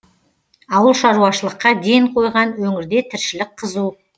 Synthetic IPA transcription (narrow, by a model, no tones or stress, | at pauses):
ɑwəlˠʃɑɾuɑʃəlˠəqːɑd̪e̞jɴqʰo̞jʁɑnwɵŋɪɾd̪e̞t̪ʰɪɾʃɪlɪk̚qʰəzu